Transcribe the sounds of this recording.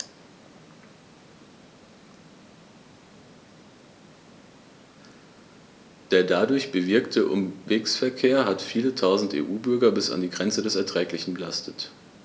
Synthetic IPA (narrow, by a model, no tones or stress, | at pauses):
d̥eːɐdadʊɐçb̥əvɪɐktʰəʔʊ̰mveːksfɛɐkʰeːɐɦatfiːlətʰaʊzn̩tḛːʔuːbʏɐɡɐbɪsa̰ndiːɡʁɛnt͡sədɛsɛɐtʁ̥ɛːklɪçn̩bəlastʰət